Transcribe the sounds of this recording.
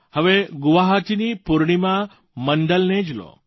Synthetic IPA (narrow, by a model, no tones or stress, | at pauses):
həʋeɡʊʋaɦat͡ʃinipuɾɳ̃imã | məɳɖəlned͡ʒlo̰